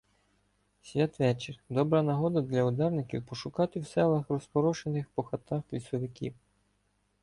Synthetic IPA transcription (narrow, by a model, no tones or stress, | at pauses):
sʲʋʲat̪ʋɛt͡ʃɪrd̪ɔbɾɐnɐɦɔd̪ɐd̪lʲɐʊd̪ɛrnɪkʲḭwpɔʃʊkɑt̪ɪwsɛlˠɐxrɔspɔɾɔʃenɪxpɔxɐt̪ɑxklʲisɔʋɪkʲḭw